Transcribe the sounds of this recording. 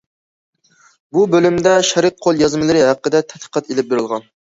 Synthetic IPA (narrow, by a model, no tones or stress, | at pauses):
bubølymd̪ɛʃɛɾɨt̪̚qʰolˠjɑzmɨlˠɨɾɪɦæqːəd̪ɛt̪ʰɛt̪qʰə̥qʰɛt̪elɪp̚beɾɪlˠʁɑn